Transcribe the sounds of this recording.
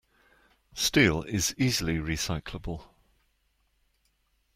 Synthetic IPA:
stiːlɪz̥iːzəliɹisaɪkʰləbəlˠ

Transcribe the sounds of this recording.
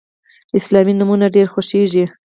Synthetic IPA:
ɪslɑminʊmunaɖeɾxoʃeʒi

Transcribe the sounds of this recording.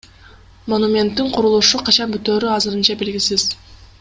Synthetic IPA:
mo̞numʲe̞nt̪ːiɴqʰuɾulˠuʃuqʰɑt͡ʃɑnbyt̪øːɾyɑzɯɾɯnt͡ʃɑbe̞lɡʲisiz̥

